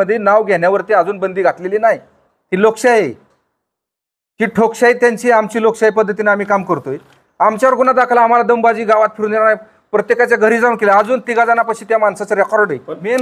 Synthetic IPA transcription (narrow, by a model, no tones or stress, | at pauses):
əd̪ʱːjenaʋɡʱeɳjaʋəɾt̪iad͡zuːnbənd̪iːɡʱat̪leliːnaɦi | t̪iːlokɕaɦe | kiːʈʰokɕait̪jaɲt͡ɕiːamt͡ɕiːlokɕaipəd̪ʱːət̪ineam̤iːkamkəɾt̪oj | amt͡ɕjaʋəɾɡunad̪akʰlaːm̤alad̪əmbad͡ʑiːɡaʋat̪̚fʰiɾuniɾana | pɾət̪jekat͡ɕjaɡʱəɾiːd͡zawnkelead͡zuːnt̪iɡad͡zanapaɕiːt̪jamansat͡saɾekɔɾɽəjm